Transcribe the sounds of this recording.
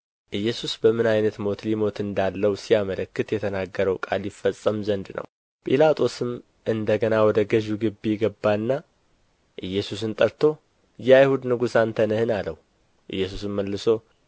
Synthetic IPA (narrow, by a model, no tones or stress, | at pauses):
ʔɨjːɛsusbəmɨnajnət̪mo̞t̪limo̞t̪ɨnd̪alːəwsijamələkːɨt̪jɛt̪ʰənaɡːəɾəwkʼaljɪfəsʼːəmzənd̪nʔə̰w | pʼilat̪ʼʰo̞sɨm | ʔɨnd̪əɡənawɔd̪əɡəʒuɡɨbːijɪɡəbːanːa | ʔɨjːɛsus̬ɨnt̪ʼəɾt̪ʰo̞ | jɛajhud̪nɨɡusant̪ʰənəhɨnaləwu | ʔɨ̰jːɛs̬usɨmːəlːɨso̞